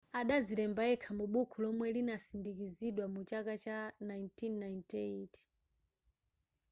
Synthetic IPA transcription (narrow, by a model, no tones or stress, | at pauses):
aɗazilɛmbaɛkʰamuɓukʰulɔmwɛlinasindik̬iziɗwamut͡ʃakat͡ʃanajntʰinːajntɛit